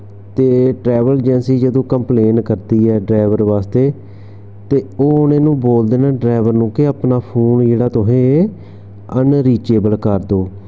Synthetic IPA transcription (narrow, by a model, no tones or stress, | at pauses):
t̪eːʈɾɛːʋəld͡ʒɛnsiːd͡ʒəd̪õːkəmpleːnkəɾd̪iːɛːɖɾaːɪʋəɾʋaːst̪eː | t̪eːoːʊnẽːnũːboːld̪eːnaːɖɾaːɪʋəɾnũːkɪəpnaːpʰuːnd͡ʒeːɽaːt̪ʊɦẽː | ənɾiːt͡ʃeːbəlkəɾd̪oː